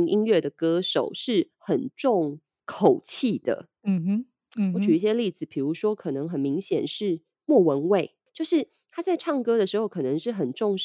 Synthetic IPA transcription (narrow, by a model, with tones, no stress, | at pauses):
ŋʔi˥nɥɛ˥˩d̪ə˩kɤ˥ʂo˨˩ʊʂɻ̩˥˩ | xə˨˩nʈ͡ʂʊ˥˩ŋ | kʰo˨˩ʊt͡ɕʰi˥˩d̪ə̰˩˨ | wɔ˧˥˦t͡ɕʰy˨˩i˥˩ɕjɛ˦˥li˥˩d͡zɹ̩˨˩pʰi˨˩ɻu˧˥ʂwɔ˥kʰɤ˨˩nɤ˧˦˥ŋxə˨˩nmi˧˥ŋɕjɛ˨˩nʂɻ̩˥˧ | mwɔ˥˩wə˧˥nwe˥˩ɪ | t͡ɕjo˥˧ʊʂɻ̩˥˩ | t̪ʰa˥t͡sa˥˧ɪʈ͡ʂʰɑ˥˩ŋkɤ˥d̪ə˨ʂɻ̩˧˥xo˥˧˩kʰɤ˨˩nɤ˧˥ŋʂɻ̩˥˩xə˨˩nʈ͡ʂʊ˥˧ŋ